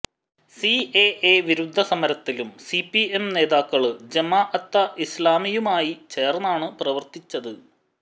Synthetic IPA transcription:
sieeʋiɾud̪ʱːɐsɐmɐɾɐt̪ːilumsipːie̞mne̞ːðaːkːɐɭɨd͡ʑɐmaːʔɐt̪ːɐʔislaːmijumaːjit͡ɕe̞ːrnaːɳɨprɐʋɐrt̪it͡ɕːɐðɨ

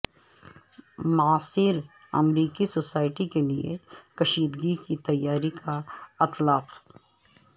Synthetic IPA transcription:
mɐaːsiːɾ | ɐ̰mɾiːkisoːsaːɪʈikeliḛkɐʃiːd̪ɡikit̪ɐjːaːɾikʰaɪt̪laːq

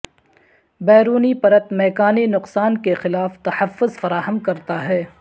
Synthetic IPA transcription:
bɛːɾuːnipɐɾət̪mɛːkaːninʊqsaːnkexɪlaːft̪ɐħɐfːʊzfɐɾaːɦəmkɐɾt̪aɦɛː

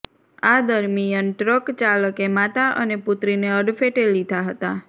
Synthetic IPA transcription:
ad̪əɾmijənʈɾəkt͡ʃaləkemat̪aʔəneput̪ɾineəɽfʰeʈelid̪ʱaɦət̪a

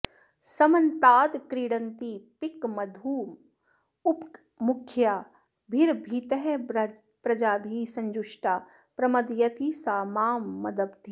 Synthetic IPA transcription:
sɐmɐnt̪aːd̪kɾiːɽə̃nt̪ipɪkmɐd̪ʱuː | ʊp | mʊkʰjaː | bʱiɾbʱit̪əɦe | pɾɐd͡ʒaːbʱisɐ̃ɲd͡ʒʊʃʈaː | pɾɐmɐd̪jɐt̪isaːmaːmːɐd̪ɐbd̪ʱi

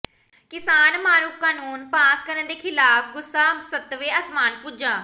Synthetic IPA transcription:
kɪsaːnmaːɾuːkːaːnuːnpaːskəɾənd̪eːkʰɪlaːpʰɡʊsːaːsət̪ːʋeːəsmaːnpuːd͡ʒãː

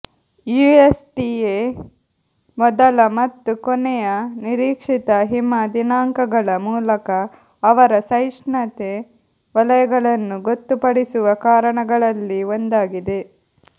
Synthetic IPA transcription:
juesʈie | mɔd̪ɐlɐmɐt̪ːukɔnɛjɐniɾiːkʂit̪ɐɦimad̪inaːŋkɐɡɐɭɐmuːlɐkɐː | ʋɐɾɐsɐjʂɳɐt̪e | ʋɐlɐjɐɡɐɭɐnːuɡot̪ːupɐɽisuʋɐkaːɾɐɳɐɡɐɭɐlːiond̪aːɡid̪e̞

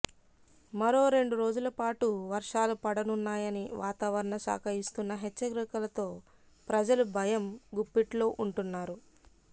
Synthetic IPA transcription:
mɐɾo̞ːɾe̞ɳɖuɾo̞ːd͡ʒulɐpaːʈuʋɐɾʂaːlupɐɽɐnunːaːjɐniʋaːt̪aːʋɐɾɐɳɐsa̰ːkʰɐɾist̪unːɐɦɛt͡ʃːɐɡɾikɐlɐt̪o̞ː | pɾɐd͡ʒɐlubʱɐjɐmɡupːiʈlo̞ːʔuɳʈunːaːɾu

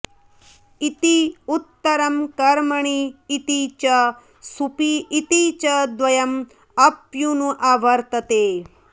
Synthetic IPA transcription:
it̪iut̪ːɐɾɐmkɐɾmɐɳiːt̪it͡ʃɐ | supiːt̪it͡ʃɐd̪ʋɐjɐm | ɐpjunuʔaːʋɐɾt̪ɐt̪eː

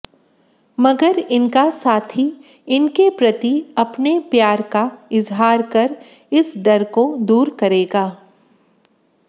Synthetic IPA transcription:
mɐɡəɾɪnkasaːt̪ʰi | ɪnkepɾɐt̪iɐpnepjaːɾkaɪzɦaːɾkɐɾ | ɪsɖɐɾkod̪uːɾkɐɾeːɡaː

